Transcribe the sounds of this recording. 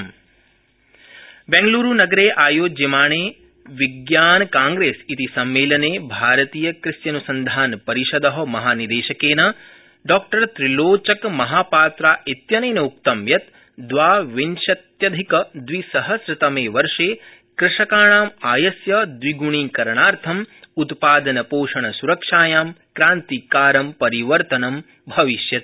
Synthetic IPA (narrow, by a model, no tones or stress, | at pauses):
m | bẽŋɡluːɾunɐɡɐɾeːʔaːjoːd͡ʒɐmaːɳeː | ʋiɡjaːnkaːŋɡɾeːsit̪isɐmːeːlɐneːbʱaːɾɐt̪iːjɐkɾɪsjɐnusɐnd̪ʱaːnpɐɾiʃɐd̪ɐɦɐmɐɦaːnid̪eːʃɐkeːnɐ | ɖɔːk̚ʈɐɾt̪ɾiloːt͡ʃɐkmɐɦaːpaːt̪ɾaːʔit̪jɐnɐːnɐuk̚t̪ɐmjɐt̪ | d̪ʋaːʋinʃɐt̪jɐd̪ʱikɐd̪ʋisɐɦɐsɾɪt̪ɐmeːʋɐɾʂeː | kɾɪʂɐkaːɳaːmaːjɐsjɐd̪ʋiɡuɳ̃iːkɐɾɳaːɾt̪ʰɐm | ut̪paːd̪ɐnɐpoːʂɐɳɐsuɾɐkʂaːjaːmkɾaːnt̪ikaːɾɐmpɐɾiʋɐɾt̪ɐnɐm | bʱɐʋiʃjɐt̪̚